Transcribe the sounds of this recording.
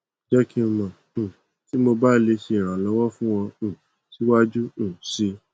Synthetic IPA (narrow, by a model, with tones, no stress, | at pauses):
d͡ʒɛ˦kĩ˦mã˨ | ti˦mo˧ba˦˧le˧ʃe˧i˨ɾ̃ã˨lɔ˨˦wɔ˦fũ˦w̃ɔ̃˧˨ | si˦wa˦d͡ʒũ˦˨si˦